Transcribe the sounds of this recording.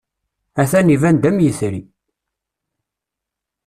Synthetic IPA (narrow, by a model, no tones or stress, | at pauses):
æθænivænd̪æmjəθɾi